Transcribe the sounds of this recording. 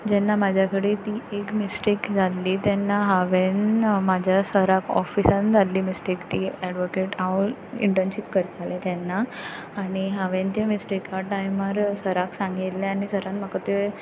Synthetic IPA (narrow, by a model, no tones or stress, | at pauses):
d͡ʑɛnːamad͡ʑʱjakəɽet̪iːekmisʈikd͡zʱalːiːt̪ɛnːaɦaʋenmad͡ʑʱjasəɾakɔ̰fisãnd͡zʱalːiːmisʈikt̪iɛɖʋokeʈaḭɳʈənɕipkəɾt̪alet̪jɛnːaː | ɽ̃iɦaʋent̪jemisʈikaʈajmaɾsəɾaksãŋɡit̪lẽañisəɾãnmakat̪ue